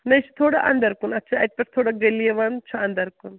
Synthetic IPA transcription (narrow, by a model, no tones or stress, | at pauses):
nɐjt͡ʃʰu̥t̪ʰoːɽa̰ʔɐ̰nd̪ɐɾkunɐt̪ːt͡ʃʰaɐt̪̚pɐɾt̪ʰoːɽaɡɐlieʋɐnt͡ʃʰuɐnd̪ɐɾkun